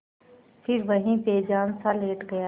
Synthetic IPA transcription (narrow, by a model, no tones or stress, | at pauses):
pʰɪɾʋəɦĩːpeːd͡ʒaːnsaːleːʈɡəjaː